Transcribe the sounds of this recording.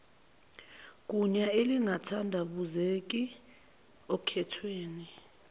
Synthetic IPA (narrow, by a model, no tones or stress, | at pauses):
k̬ʼuɲaeliŋʱatʰandʱaɓuzek̬ʼi | okʰɛtʰweːni